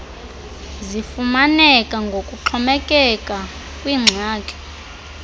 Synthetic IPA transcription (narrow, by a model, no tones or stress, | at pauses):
zifumanɛkʼaŋɡʱokʼuǃʰɔmɛkʼɛkʼa | kʼwiːŋ͡ǀʱaːkʼɛ̥